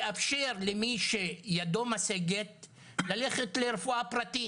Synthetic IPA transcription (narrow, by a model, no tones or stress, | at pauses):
ʔafʃeʁlemiʃejad̪o̞maseɡet̪̚ | laleχet̪leʁefuapʁat̪i